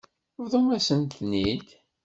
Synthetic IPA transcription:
vðˤəmæsənt̪nid̪

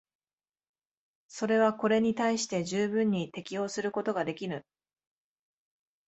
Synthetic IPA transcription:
so̞ɾe̞β̞ako̞ɾe̞ɲ̟it̪aiɕi̥t̪e̞ʑɨːbɯ̟̃ɲ̟ːit̪e̞kʲio̞ːsɨɾɯ̟ko̞t̪o̞ɡad̪e̞kʲiɾɯ̟

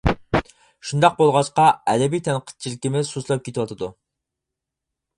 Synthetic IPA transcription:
ʃund̪ɑq̚bolˠʁɑt͡ʃqɑɛd̪ɛbijt̪ʰɛnqʰə̥t̪̚t͡ʃʰilɪkʲimɪsuslˠɑp̚kʲʰet̪ʰwɑt̪ʰɨd̪u

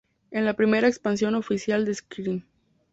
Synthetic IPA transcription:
enlapɾime̞ɾaekspans̬jo̞no̞fisjald̪eskɾim

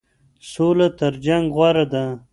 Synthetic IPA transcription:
solat̪əɾd͡ʒaŋɡɣwaɾad̪a

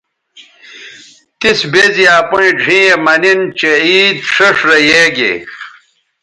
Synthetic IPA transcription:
t̪isbezijaːpoĩɖʱĩːemɐnint͡ɕeiːd̪ʂɐʂɾɐjeːɡḛ

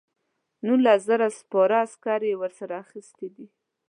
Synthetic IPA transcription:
nulaszaɾaspɑɾaskɑɾewəɾsaɾaːxist̪ed̪i

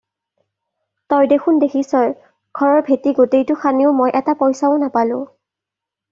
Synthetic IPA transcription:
tɔjdexʰundekʰisɔj | ɡ̥ʱɔɹɔɹbʱetiɡotejtʊxʰaniʊmojʔɛtapɔjsaʊnapalʊ̰̃

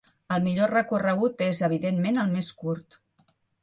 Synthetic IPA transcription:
əlˠmiʎorəkurəɣ̞ut̪ezəβ̞iðenmenəlˠmeskuɾt̪

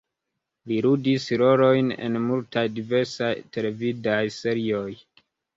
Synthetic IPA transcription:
liɾudisɾo̞ɾo̞jne̞̰nmultajdive̞ɾsajtʰe̞le̞vidajse̞ɾio̞j

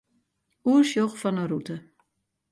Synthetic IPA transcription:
uəʃjoxfɔnərutə

